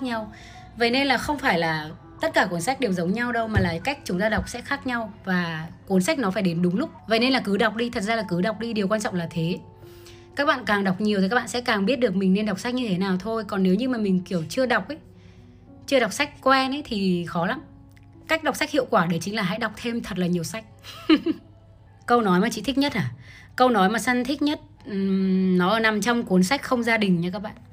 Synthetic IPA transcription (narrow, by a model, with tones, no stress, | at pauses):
ɲa˧w | və̰˧˨jne˧nlaː˨˩xə˧wŋ͡mfaː˧˩jlaː˨˩ | t̪ə˦˥t̚kaː˧˩kwu˨˦ənsa˦˥jk̚ɗi˨˩əw̚zə˨˦wŋ͡mɲa˧wɗə˧wmaː˨˩laː˨˩ka˦˥jk̚t͡ɕʊ˨˦ŋ͡mt̪aː˧ɗwk͡p̚sɛ̰˧˥xaː˦˥k̚ɲa˧wvaː˨˩ku˨˦ənsa˦˥k̚nɔ˨˦faː˧˩jɗe˨˦nɗʊ˨˦ŋ͡mlʊ˦˥k͡p̚və̰˧˨jne˧nlaː˨˩kɨ˨˦ɗa˨˩wk͡p̚ɗi˧t̪ʰə˨˩t̚zaː˧aː˨˩kɨ˨˦ɗa˨˩wk͡p̚ɗi˧ɗi˨˩əkwaː˧nt͡ɕɔ̰˧˨wŋ͡mlaː˨˩t̪ʰe˨˦ | kaː˦˥k̚ɓa̰ː˧˨nkaː˨˩ŋɗa˨˩wk͡p̚ɲi˨˩wt̪ʰka˦˥ɓa̰ː˧˨sɛ̰˧˥kaː˨˩ŋɓi˦˥ət̚ɗɨ˨˩ək̚mï˨˩ŋ̟ne˧nɗwk͡p̚sa˦˥k̚ɲɨ˧t̪ʰe˨˦naː˨˩wt̪ʰo˧jkɔ˨˩nːe˨˦wɲɨ˧maː˨˩mï˨˩ŋ̟ki˧˩əwt͡ɕɨ˧əɗa˨˩wk͡p̚ʔə˨˦j | t͡ɕɨ˧əɗa˨˩wk͡p̚sa˦˥jk̟̚kwɛ˧nə˨˦jt̪ʰi˨˩xɔ˨˦la˨˦m | ka˦˥k̚ɗa˨˩k͡p̚sa˦˥k̚hḭ˧˨wkwaː˧˩ɗe˨˧˩t͡ɕi˨˦ŋ̟laː˨˩ɦa̰˧˥jɗa˨˩k͡p̚t̪ʰe˧mt̪ʰə˨˩t̚laː˨˩ɲi˨˩əwsa˦˥jk̟̚ | kə˧wnɔ˨˦jmaː˨˩t͡ɕḭ˧˨t̪ʰi˦˥k̚ɲə˦˥t̚ʔaː˧˩ | kə˧wnɔ˨˦jmaː˨˩sa˧nt̪ʰï˦˥k̚ɲə˦˥t̚ | nɔ˨˦ʔəː˨˩na˨˩mt͡ɕɔ˧wŋ͡mku˨˦ənsa˦˥jk̟̚xə˧wŋ͡mzaː˧ɗï˨˩ŋ̟ɲa˧kaː˦˥k̚ɓa̰ː˧˨n